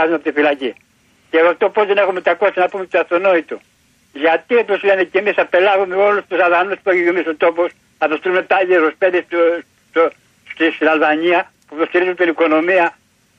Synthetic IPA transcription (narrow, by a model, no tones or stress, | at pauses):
azuneɐpot̪ifilaci | ceoft̪opozðenexumet̪akossinapumet̪iɐft̪onoit̪u | ʝat̪iot̪oslenecemisapelɐɣumeo̞lust̪usaðanuspueçuʝemisot̪opos | ɐpest̪ilumet̪aʝesospeðis | o | st̪ist̪inalvaɲiɐ | put̪ost̪iɾizunt̪iniko̞no̞miɐ